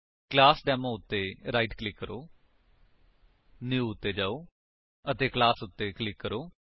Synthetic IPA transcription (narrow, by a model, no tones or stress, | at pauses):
klaːsɖɛːmãːʊt̪ːeːɾaːiːʈklɪkːəɾoː | njuːʊt̪ːeːd͡ʒaːoː | ət̪eːklaːsʊt̪ːeːklɪkːəɾoː